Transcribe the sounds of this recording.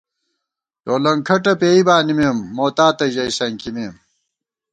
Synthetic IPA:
joːlɐŋkʰɐʈɐpeːibaːnimeːmːoːt̪aːt̪ɐʑɐisɐŋkimeːm

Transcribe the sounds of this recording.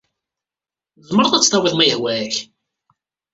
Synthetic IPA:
zməɾˤðˤæt͡sːt̪ˤɑwiðˤmæjəhwæç

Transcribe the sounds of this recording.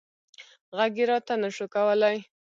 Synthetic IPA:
ɣaɡɪɾɑt̪anəʃokawəlaj

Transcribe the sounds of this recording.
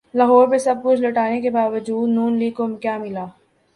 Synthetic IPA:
lɐɦɔːɾpesɐb̚kʊt͡ʃʰlɐʈaːnekebaːʋəd͡ʒuːd̪nuːnliːkomkjaːmɪlaː

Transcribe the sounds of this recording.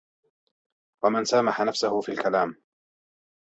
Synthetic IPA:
wamɪnsaːmaħanafsʊhʊfiːlkalaːm

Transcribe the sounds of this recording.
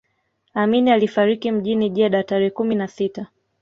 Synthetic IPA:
aminialifaɾikim̩ʄiniʄɛɗataɾɛkuminasita

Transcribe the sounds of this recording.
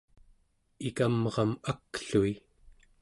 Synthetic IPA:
ikamʁɑmakɬui

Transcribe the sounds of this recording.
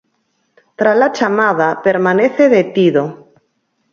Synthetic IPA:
t̪ɾalat͡ʃamaðapeɾmãneθeðet̪iðo

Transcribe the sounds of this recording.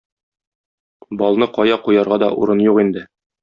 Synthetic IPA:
bɒlˠnɤqɒjɑqujɑɾʁɑd̪ɒ̰ʔṵɾɤnjuqind̪ɘ

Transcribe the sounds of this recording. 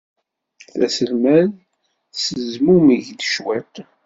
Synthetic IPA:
θæsəlmæð | səzmumiʝd̪əʃwet

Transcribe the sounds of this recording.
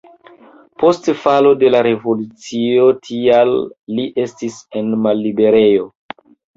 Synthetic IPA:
po̞stfalo̞de̞laɾe̞vo̞lut͡sio̞tʰialːiʔe̞stise̞nmalːibe̞ɾe̞jo̞

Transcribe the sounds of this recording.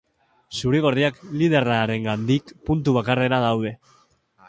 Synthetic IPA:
suɾeɣo̞riaklið̞e̞raɾe̞ŋɡand̪ikpunt̪uβ̞akare̞ɾaðawðe̞

